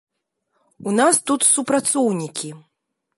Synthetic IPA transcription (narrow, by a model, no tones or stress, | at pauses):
unast̪ut̪supɾat̪sɔwnʲikʲi